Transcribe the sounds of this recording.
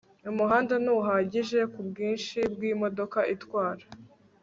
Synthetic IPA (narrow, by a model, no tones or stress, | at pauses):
umuɦaːndanuɦaːɟiʒe̞kubɡiːnʃibɡiːmo̞do̞kaʔitwaːɾḁ